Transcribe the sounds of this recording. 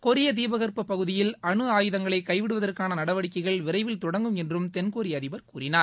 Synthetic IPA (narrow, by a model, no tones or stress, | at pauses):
kɔɾɪjɐt̪̬iːbɐɣɐrpɐpɐɣɯðɪjɪlɐɳɯaːjɯðɐŋɡɐɭɐɪkɐɪʋɪɽɯʋɐðɐrkaːnɐnɐɽɐʋɐɽɪkːɐɪɣɐɭʋɪɾɐɪʋɪlt̪ɔɽɐŋɡɯmɛndrɯmt̪ɛnkoːɾiɐðɪbɐɾkuːɾɪnaːɾ